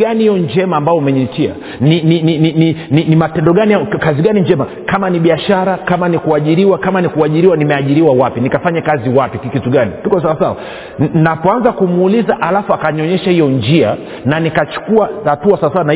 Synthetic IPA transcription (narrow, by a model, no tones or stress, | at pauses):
ɡanihijɔnd͡ʒɛmaːmbaɔumɛɲitia̰ | nininininininimatɛndɔɠaniakaziɠaniɲd͡ʒɛma | kamaniɓiaʃaɾakamanikuaʄiɾiwakamanikuaʄiɾiwanimɛaʄiɾiwawapinikafaɲakaziwapikkituɠanḭtukɔsawasawa̰ | napɔanzakumuːlizaʔalafuakaɲiɔɲɛʃahijɔnd͡ʒia | nanikat͡ʃu̥kuahatuasawasawana